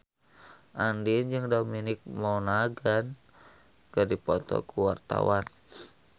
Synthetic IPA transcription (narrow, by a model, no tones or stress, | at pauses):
ʔandind͡ʒɨŋdominɪk̚mawnaɡan | kərdipɔt̪ɔ̰kuwart̪a̰wan